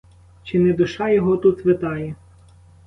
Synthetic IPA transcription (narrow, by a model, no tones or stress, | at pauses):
t͡ʃɪnɛd̪ʊʃɑjɔɦɔt̪ut̪ʋet̪ɑjɛ